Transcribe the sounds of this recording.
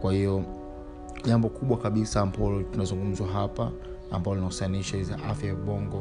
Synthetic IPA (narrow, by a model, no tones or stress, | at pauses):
kwahijɔ | ʄambɔkuɓwakaɓisaːmbɔlɔtunazuŋɡum̩zwaɦapaː | mbalɔlinausaaniʃaizaʔafjajaɓɔŋɡɔ